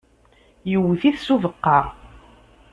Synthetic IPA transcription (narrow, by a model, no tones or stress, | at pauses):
jəwːθiθsuvəqːɑʁ